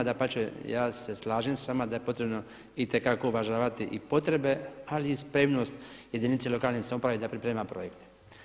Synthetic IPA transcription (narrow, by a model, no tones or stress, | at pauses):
d̪apat͡ʃejaːse̞slˠaːʒimsʋamad̪aje̞po̞t̪ɾe̞bno̞ | it̪e̞kako̞uʋaʒaːʋat̪iʔipo̞t̪ɾe̞be̞aliːspɾemno̞st̪je̞d̪init̪selo̞kaːlˠniseopɾaʋed̪apɾipɾeːmapɾo̞jekt̪e̥